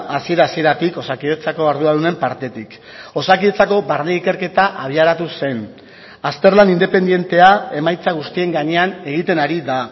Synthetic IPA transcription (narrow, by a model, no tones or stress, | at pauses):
asie̞ɾaːsie̞ɾat̪iko̞sakiðet͡sako̞aɾðuaðune̞mpaɾt̪e̞t̪ik | o̞sakiðet͡sako̞βaɾneike̞ɾke̞t̪aʔaβ̞iaɾat̪use̞n | ast̪e̞ɾlanind̪e̞pe̞nd̪je̞nt̪e̞ae̞majt͡saɣ̞ust̪ie̞ŋɡaɲe̞ane̞ɣit̪e̞naɾiða